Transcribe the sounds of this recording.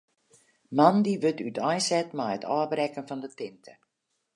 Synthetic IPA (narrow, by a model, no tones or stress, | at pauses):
mandiʋɵtʰytajsɛtmajətaːbrɛkənfɑndətɪntʰə